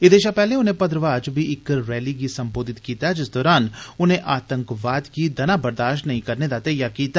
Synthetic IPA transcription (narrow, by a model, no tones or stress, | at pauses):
ɪd̪eːʃapɛːlẽːʊnẽːpəd̪ɾəʋaːd͡ʒbʱiːɪkɾɛːliːɡisə̃mboːd̪ɪt̪kiːt̪ad͡ʒɪsd̪ɔːɾaːnʊnẽːʔaːt̪ə̃ŋkʋaːd̪kiːd̪ɐnaːbəɾd̪aːʃʈnɐɦĩːkəɾned̪aːt̪eːjaːkiːt̪a